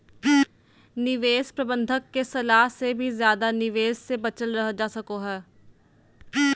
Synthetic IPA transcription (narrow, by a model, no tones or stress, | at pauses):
nɪʋeːspɾɐbə̃nd̪ʱəkːesɐlaːɦsebʱizjaːd̪anɪʋeːzsebɐt͡ʃəlɾɐɦd͡ʒaːsɐkoɦɛː